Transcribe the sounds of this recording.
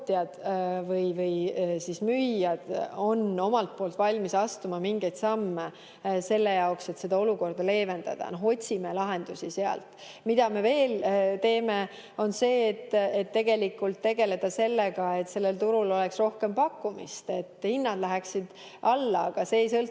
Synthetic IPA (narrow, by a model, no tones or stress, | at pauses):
t̪jɑd̪̥vɤjvɤjsismyjːɑd̪̥o̞no̞mɑlt̪̚po̞ːlt̪vɑlʲmisɑst̪umɑmiŋɡe̞jd̪̥sɑmːe | se̞lːe̞jɑokse̞t̪se̞d̪̥ɑo̞luko̞rd̪̥ɑle̞ːve̞nd̪̥ɑ̰d̪̥ɑ̰noɦo̞t̪ʲsime̞lɑɦe̞nd̪̥usise̞ɑ̰lt̪ | mid̪̥ɑme̞ve̞ːlt̪e̞ːme | o̞nse̞ːt̪ːet̪ːe̞ɡ̥e̞likːult̪ːe̞ɡ̥e̞le̞d̪̥ɑse̞lːeɡɑe̞t̪se̞lːe̞lt̪uɾulo̞leksro̞hke̞mpɑkːumḭst̪e̞t̪ːˑhinːɑd̪̥læɦæksid̪̥ | ʔɑlːɑɑɡ̥ɑseːjsɤl